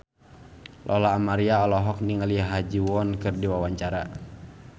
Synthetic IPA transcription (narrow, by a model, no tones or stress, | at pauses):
lʔɔlaːmaɾiaɔlɔɦɔk̚niŋaliɦad͡ʒiwɔnkɨrdiwawaɲt͡ʃaɾa̰